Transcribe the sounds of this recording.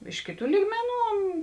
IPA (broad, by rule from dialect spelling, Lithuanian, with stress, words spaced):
ˈɪʃ kʲeːˌtuː ˈlʲiːɡmʲɛˌnuː